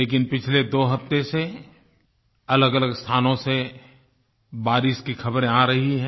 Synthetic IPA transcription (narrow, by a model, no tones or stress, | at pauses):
leːk̬ɪnpɪt͡ʃʰled̪oːɦɐpt̪ese | ɐləɡələɡst̪ʰaːnõse | baːɾɪʃkixɐbɾẽaːɾɐɦiɦɛ̃